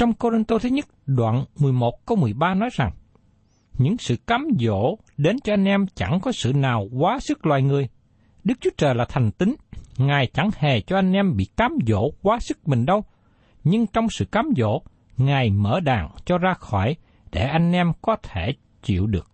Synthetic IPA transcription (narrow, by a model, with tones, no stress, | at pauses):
t͡ɕɔ˧wŋ͡mko˧zi˧nt̪o˧t̪ʰɨ˨˦ɲə˦˥t̚ɗwa̰ː˧˨nmɨ˨˩əjmo˨˩t̚kə˧wmɨ˨˩əjɓaː˧nɔ˨˦jza˨˩ŋ | ɲɨ̰˧˥ŋsɨ̰˧˨kaː˨˦mzo̰˧˨ | ɗe˨˦nt͡ɕɔ˧ʔa˧jŋ̟ʔɛ˧mt͡ɕa˧˩ŋkɔ˨˦sɨ̰˧˨naː˨˩wkwaː˨˦sɨ˦˥k̚lwa̰ː˧˨jŋɨ˨˩əj | ɗɨ˦˥k̚t͡ɕu˦ət͡ɕəː˨˩jlaː˨˩t̪ʰɛ˨˩ŋ̟t̪ï˨˦ŋŋaː˨˩jt͡ɕa˧˩ŋhe˨˩t͡ɕɔ˧ʔa˧jŋ̟ʔɛ˧mɓḭ˧˨kaː˨˦mzo̰˧˥kwaː˨˦sɨ˦˥k̚mï˨˩ŋ̟ɗə˧w | ɲɨ˧ŋt͡ɕɔ˧wŋ͡msɨ̰˧˨kaː˨˦mzo̰˧˥˨ | ŋaː˨˩jmə̰ː˧˩ɗa̰ː˨˩ŋt͡ɕɔ˧zaː˧xɔ˧˩j | ɗe˧˩ʔa˧jŋ̟ʔɛ˧mkɔ˨˦t̪ʰe˧˩ | t͡ɕḭ˧˨əwɗɨ˨˩ək̚